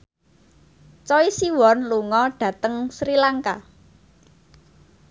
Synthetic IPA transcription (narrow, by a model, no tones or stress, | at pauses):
t͡ʃɔisiwɔnluŋɔɖ̥ä̤t̪əŋsɾilaŋka